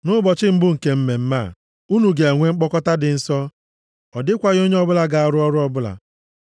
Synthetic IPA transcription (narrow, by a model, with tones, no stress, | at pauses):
nʊ˦bɔ˨t͡ʃɪ˦m̩˦bʊ˦ŋ̩˨ke˨m̩˦me˨m̩˦ma˦˨ | u˦nu˨ɡe˨e˨ŋʷe˦ŋ͡m̩˦k͡pɔ˦kɔ˦ta˦dɪ˨n̩˦sɔ˦ | ɔ˨dɪ˦kʷa˨ɣo˦ɲe˦ɔ˦bʊ˦la˨ɡa˨a˨ɾʊ˦ɔ˦ɾʊ˦ɔ˦bʊ˦la̰˨